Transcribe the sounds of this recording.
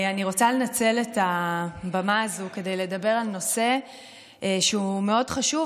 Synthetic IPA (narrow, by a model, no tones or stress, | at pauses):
aniʁo̞t͡sale̞nat͡se̞letabamaːzuke̞de̞jle̞dabe̞ʁalno̞se̞ | ʃeumeo̞dχaʃu